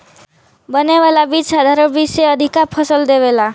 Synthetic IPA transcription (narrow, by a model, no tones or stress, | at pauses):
bʌnewalabit͡ʃsad̪ʱaɾəbiseʌd̪ʱikapʰʌsəld̪ebela